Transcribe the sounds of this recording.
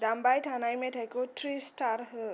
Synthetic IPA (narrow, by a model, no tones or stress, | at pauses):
dambajʈʰanajmetʰajkotʰɾisʈaɾɦ